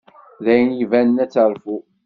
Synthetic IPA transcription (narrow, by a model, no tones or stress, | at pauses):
ðæjənjivænənæt͡sːəɾˤfu